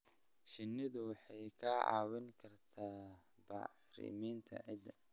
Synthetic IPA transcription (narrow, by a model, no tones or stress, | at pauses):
ʃɪnːɪðʊwɑħɑjkʰɐɑ̰ːwɪŋkʰɐrt̪ʰaːbɑ̰ʕrɪ̰miːnt̪ʰɐ̰ʕɪd̪ɐ